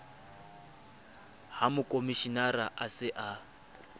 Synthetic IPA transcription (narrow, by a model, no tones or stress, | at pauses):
hamʊkʼomiʃinaraʔasɪʔa